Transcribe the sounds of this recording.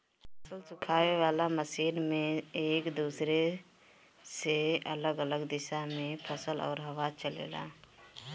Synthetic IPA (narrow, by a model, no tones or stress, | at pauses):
pʰəsəlsʊkʰaːweʋaːlaməsiːnmẽeːkd̪uːsɾe | seələɡələɡd̪ɪʃamẽpʰəsəlɔ̰ːɾɦəwaːt͡ʃəlḛːla̰ː